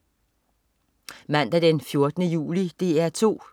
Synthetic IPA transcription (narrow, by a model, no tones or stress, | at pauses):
mæn̰d̥æd̥enfjo̝ɐd̥ənəjṵːlid̥e̝ːæɐ̰t͡sʰo̝̰ː